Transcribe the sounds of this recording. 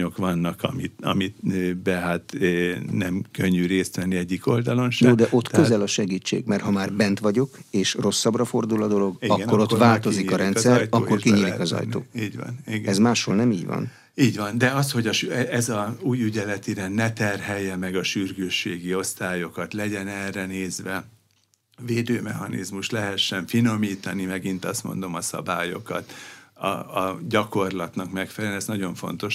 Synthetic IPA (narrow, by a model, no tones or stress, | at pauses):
okʋɒnːɒkʰɒmitɒ̰mit̪bɛɦat̪nɛmkøɲːyɾeːst̪ʋɛnːiɛɟːiko̞ld̪ɒlo̞nʃjoːd̪ɛʔo̞t̪ːkøzɛlɒʃɛɡiːt͡ʃːḛːɡmɛrhɒmaːrbɛnt̪ʋɒɟo̞keːʃro̞sːɒbrɒfo̞rd̪ulɒd̪o̞lo̞ɡiɒkkːo̞ɾo̞t̪ʋaːlt̪o̞zikɒɾɛnt̪sɛɾɒkkːo̞rkiɲiːlikɒzɒ̰jt̪o̰ːiːɟʋ̰niɡɛzmaːʃhoːlnɛmiːɟʋɒ̰n | iːɟvɒnd̪ɛɒst̪ho̞ɟɒʃɛɛzɒuːjyɟɛlɛt̪iɾɛnnɛt̪ɛrɦɛjːɛmɛɡɒʃyrɡøːʃːeːɡio̞st̪aːjo̞kɒt̪lɛɟɛnɛrːɛneːzʋɛ | veːd̪øːmɛhɒnḭzmuʃt̪lɛɦɛʃːɛɱfino̞miːt̪ɒnimɛɡint̪ɒst̪mo̞̰nd̪o̞mɒsɒ̰baːjo̞̰kɒ̰t̪ɒ̰ːɟɒko̞rlɒt̪nɒkmɛkfɛlːnɛsnɒɟo̞ɱfo̞̰n̪t̪o̞ʃ